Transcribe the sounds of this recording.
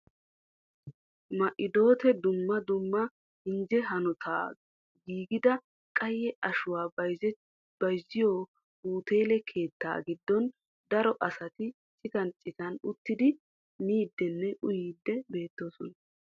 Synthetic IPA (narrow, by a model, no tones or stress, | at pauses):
mɐʔɪd̪o̞ːt̪ɛd̪ʊmːɐd̪ʊmːɐ | hɪnd͡ʒɛɦɐnɔt̪ʰa̰ː | ɡiːɡɪd̪ɐ | kʼɐjːɛʔɐʃʊwaːɐj | b̥ɐjzɪjoː | uːt̪e̞ːlɛkʰe̞ːt̪ːa̰ːɡɪd̪ːɔn | d̪ɐɾɔʔɐsɐt̪ɪ | t͡ʃʼːɪt̪ɐnt͡ʃʼɪt̪ɐnʊt̪ːɪd̪ɪ | niːd̪ːɛnːɛʔʊjiːd̪ːɛbe̞ːt̪ːoːsɔnɐ